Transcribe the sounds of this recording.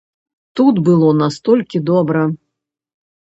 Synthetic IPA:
t̪ut̪bɨlˠɔnast̪ɔlʲkʲid̪ɔbɾɐ

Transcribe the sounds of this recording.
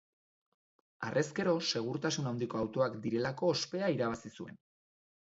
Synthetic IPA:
arʔe̞ske̞ɾo̞se̞ɣ̞uɾt̪asunawnd̪iko̞awt̪o̞akd̪iɾe̞lako̞ːspe̞aiɾaβ̞asisue̞n

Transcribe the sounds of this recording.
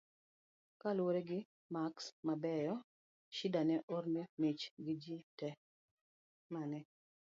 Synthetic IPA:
kalwoɾɛɡɪ | maksmabɛjɔ | ʃidanɛʔoɾnemet͡ʃɡɪd͡ʒitɛ | manɛ

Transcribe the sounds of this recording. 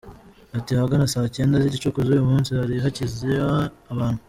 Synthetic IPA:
atiaɡanasaːce̞ːndazicit͡ʃukuzujumuːnsihaɾiɦacizeaβaːn̥hu

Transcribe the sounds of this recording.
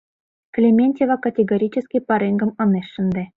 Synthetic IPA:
klʲemʲenʲtʲevɑkɐtʲeɡoɾʲit͡ɕɘ̆skʲijpɑɾeŋɡɤ̆mɤ̆neʃːɘ̆nd̪ĕ

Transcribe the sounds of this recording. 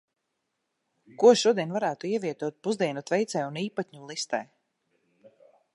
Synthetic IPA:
kuɔʃuɔd̪iɛnvaɾæːt̪uiɛviɛt̪uɔt̪̚puzd̪iɛnut̪vɛjt̪sɛːuniːpat̪ɲulˠist̪ɛj

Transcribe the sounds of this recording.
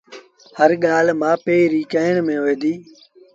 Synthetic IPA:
həɾɠaːlmãːpeːɾiːkəːɪɳmẽːɦeːd̪iː

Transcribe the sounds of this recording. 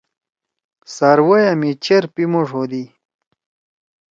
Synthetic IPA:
saɾwɐjɐmit͡ɕeɾpimoʐod̪i

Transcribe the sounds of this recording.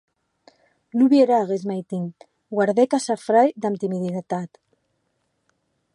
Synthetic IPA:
luβjeɾaɣezmajt̪iŋ | ɡwaɾðekasafɾajd̪amt̪imiðinat̪at̪

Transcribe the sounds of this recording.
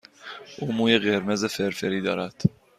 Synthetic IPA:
ʔuːmuːjeɢeɾmezefeɾfeɾiːd̪ɒːɾæd̪̥

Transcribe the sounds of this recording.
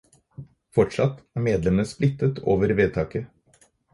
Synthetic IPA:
fɔʈʂɑt̪ːæːɾmeːd̪lɛmənəsplɪt̪ːət̪ʰoːʋəɾʋeːt̪ʰɑːkə

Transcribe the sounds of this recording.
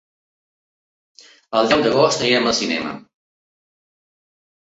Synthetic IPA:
əlˠd̪ɛwd̪əɣost̪eəməlˠsinɛ̰mə̰

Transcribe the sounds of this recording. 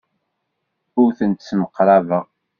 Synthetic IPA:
ʊɾθənt̪sməqːɾævəʁ

